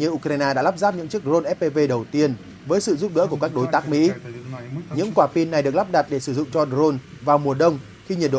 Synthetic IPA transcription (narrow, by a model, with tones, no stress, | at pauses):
ɲɨ˧˩əʔu˧kɾaː˧jnaː˧ɗa̰ː˧˥la˦˥p̚zaː˦˥p̚ɲɨ̰˧˥ŋt͡ɕɨ˦˥ək̚zo˧nʔɛ˦˥p̚pe˧ve˧ɗə˨˩wt̪i˧ən | vəː˨˦jsɨ̰˧˨zu˦˥p̚ɗɨ̰˧˥ku˧˩əkaː˦˥k̚ɗo˨˦jt̪aː˦˥k̚mḭ˧˥ | ɲɨ̰˧˥ŋkwaː˧˩pi˧nːa˨˩jɗɨ˨˩ək̚la˦˥p̚ɗa˨˩t̚ɗe˧˩sɨ˧˩zʊ̰˧˨ŋ͡mt͡ɕɔ˧ɗzo˧n | vaː˨˩wmu˨˩əɗə˧wŋ͡m | xi˧ɲi˨˩tɗo̰˧˨